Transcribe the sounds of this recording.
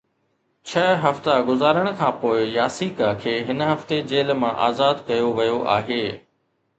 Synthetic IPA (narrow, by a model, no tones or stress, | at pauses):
t͡ɕʰɐɦɐft̪aɡʊzaːɾəɽ̃ə̆kʰãːpoːɪjaːsiːkakʰeːɦɪnɦɐft̪ed͡ʑeːlmãʔaːzaːd̪kɐjoʋɐjoʔa̰ːɦeː